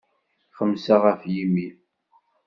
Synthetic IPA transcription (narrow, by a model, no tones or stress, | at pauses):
χəmːsaʁæfjimi